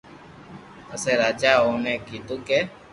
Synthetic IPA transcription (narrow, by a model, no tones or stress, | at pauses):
əseɾaːd͡ʒaːɦoːnɛ̃kit̪uke